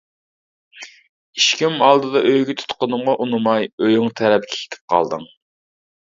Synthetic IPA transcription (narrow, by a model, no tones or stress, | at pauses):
iʃkʲimɑlˠd̪ɨd̪ɑʔøjɡʲɛt̪ʰu̥t̪qʊnɨmʁɑʔunɨmɑjøjʊŋt̪ʰɛɾɛpɪkʲʰe̥kʲʰe̥t̪ʰɪ̥p̚qʰɑ̰lˠd̪ɨ̰ŋ